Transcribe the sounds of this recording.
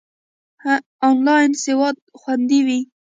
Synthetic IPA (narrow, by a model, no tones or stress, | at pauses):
onlɑjnsewɑd̪̚xwand̪iwi